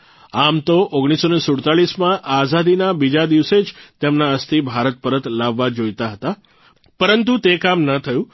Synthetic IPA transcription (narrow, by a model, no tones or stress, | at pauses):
amt̪oʔoɡɽ̃isonesʊɽt̪aɭismãʔazad̪inabid͡ʒad̪iʋsed͡ʒt̪emnaəst̪ʰibʱaɾət̪̚pəɾət̪laʋːad͡ʒojt̪aɦət̪a | pəɾənt̪ut̪ekamnət̪ʰəjũ